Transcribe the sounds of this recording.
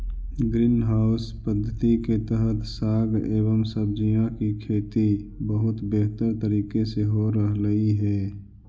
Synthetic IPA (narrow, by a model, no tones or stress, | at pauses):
ɡɾiːnɦaːʊspəd̪ʱːət̪iket̪əɦət̪saːɡeːβəmsəbd͡ʒijãkikʰeːt̪ibəɦʊt̪beɦt̪əɾt̪əɾiːkeseɦoɾəɦləiɦɛː